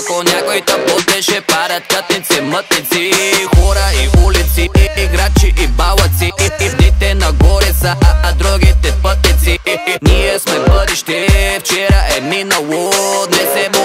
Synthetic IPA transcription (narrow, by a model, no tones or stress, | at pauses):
koɲakoit̪aposd̪ɛʃɛpaɾat̪kat̪nit̪simət̪nit̪sixoɾaiʔulit̪siiɡɾat͡ʃiʔibalat̪siinit̪ɛnaɡoɾisaad̪ɾoɡit̪ɛpət̪nit̪sinijesmɛbəd̪iʃt̪ɛft͡ʃɛɾaɛninawod̪nɛzɛmo